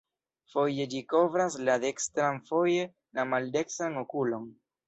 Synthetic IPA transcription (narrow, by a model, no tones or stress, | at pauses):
fo̞je̞d͡ʒiko̞vɾaslade̞kstɾanfo̞je̞ | lamalde̞ksanokulo̞n